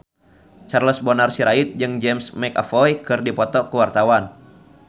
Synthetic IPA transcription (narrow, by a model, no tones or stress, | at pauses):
t͡ʃarlɔsbɔnarsiɾʔait̪̚d͡ʒɨŋd͡ʒɛmsmɛka̰fɔjkɨrdipɔt̪ɔkəwart̪awan